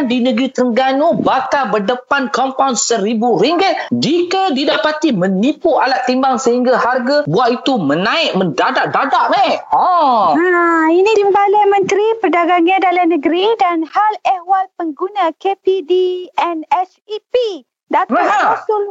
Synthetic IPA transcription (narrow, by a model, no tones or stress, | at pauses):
ndinə̃ɡɾit̪əŋɡanubakabərdəpankɔmpawnsəɾibuɾiŋɡɪt̪̚d͡ʒikadidapat̪imə̃nipualat̪ːimbaŋsəɦiŋɡaharɡabuait̪umənãɪʔ̚məndadaʔ̚dadaʔmaɔainĩdimbalamə̃nt̪ɾipərdaɡaŋãdalanə̃ɡɾidanhalɛwalpəŋɡunãkepidiɛnɛt͡ʃ | ipi | daaɦasʊ